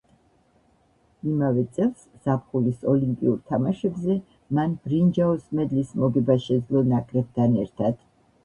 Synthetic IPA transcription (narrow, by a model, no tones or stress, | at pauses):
imavɛt̪sʼɛlˠsz̥ap̚ʰχulisɔlimpʼḭuɾt̪ʰamaʃɛbzɛ | manb̥ɾind͡ʒaɔsmɛd̪lismɔɡɛbaʃɛd̪zlɔnakʼɾɛb̚t̪ʰanɛɾt̪ʰad̪̥